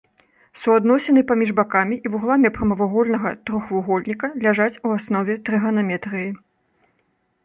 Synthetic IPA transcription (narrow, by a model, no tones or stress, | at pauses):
suad̪nɔsʲɛnɨpamʲiʐbakamʲiʔivuɣlˠamʲipɾɐmɐvaɣɔlʲnɐɣɐt̪ɾɔxvuɣɔlʲnʲikɐlʲaʐat͡sʲuasnɔvʲɛt̪ɾɨɣɐnamʲɛt̪ɾɨji